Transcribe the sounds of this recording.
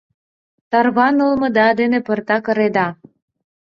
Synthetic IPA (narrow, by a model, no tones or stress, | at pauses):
t̪ɑrβɑnə̆lmɤ̆d̪ɑd̪enepɤ̆rt̪ɑkɤ̆ɾed̪ɑ